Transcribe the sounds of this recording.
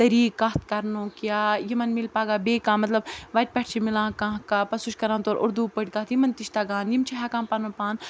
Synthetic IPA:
t̪ɐɾiːkaɦt̪̚ʰkɐɾnõːkjaːjimɐnmilpaːɡaːbeːkãːmɐt̪lɐbʋɐʈ̚ʲpʲɐʈʰt͡ʃʰimilãːkãːɦkaːpɐsuʃkɐɾãːnt̪oːɾʔʊ̰ɾd̪uːpəɽʲkat̪jimɐnt̪iʃt̪aːɡãːnjimt͡ʃʰiɦɐkãːmpanõːpaːn

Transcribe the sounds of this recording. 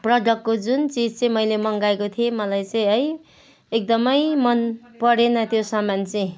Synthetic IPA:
prʌɖʌkːod͡zunt͡sid͡zt͡sʌĩmʌjlemʌŋɡaekot̪ʰiemʌlajt͡sʌĩʌj | ek̚d̪ʌmʌjmʌn | pʌɾenʌt̪josʌmant͡sʌĩ

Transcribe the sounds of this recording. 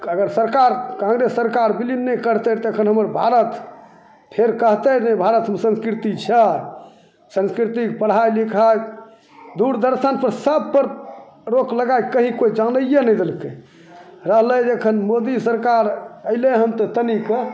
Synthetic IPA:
əɡəɾsəɾkaɾkãŋɡɾesːəɾkaɾbilinːekəɾt̪ət̪ɔəkʰənɦəməɾbʱaɾət̪ | pʰeɾkəɦt̪ənəbʱaɾət̪msə̃nskɾit̪it͡ʃʰɛ | sə̃nskɾit̪ik̚pəɽ̤ajlikʰa | d̪uɾd̪əɾsənpəɾsəb̚pəɾ | ɾokləɡajkəɦĩkoid͡ʒanəjenɛjd̪elke | ɾəɦləjd͡ʒekʰənmod̪isəɾkaɾəleɦəmt̪ət̪ənikə

